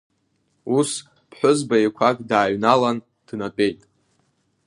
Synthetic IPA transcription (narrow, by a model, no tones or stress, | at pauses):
us | pʰħʷᶣʊzbaekʷʰakʼdaːɥnalan | d̥napʼe̞jtʼ